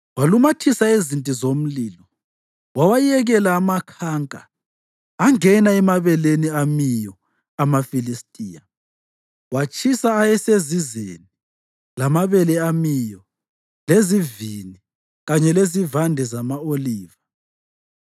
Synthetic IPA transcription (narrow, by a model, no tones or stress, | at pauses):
walumatʰisaezintʼizom̩liːlɔ | wawajiɛɣɛlaːmakʰaŋkʼa̰ː | ŋɛnaɛmaβɛleniamijɔ | amafilistʼiːja | wat͡ʃʰʼisaːjɛsezizḛni | lamaβɛlɛamijɔ | lezivini | ɣaɲɛlezivandʱɛzamaoliːva